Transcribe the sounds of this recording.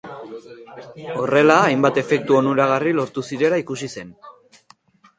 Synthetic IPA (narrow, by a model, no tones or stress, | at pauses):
o̞re̞laːjmbat̪e̞fe̞k̚t̪uo̞nuɾaɣ̞arilo̞ɾt̪usiɾe̞laikusise̞n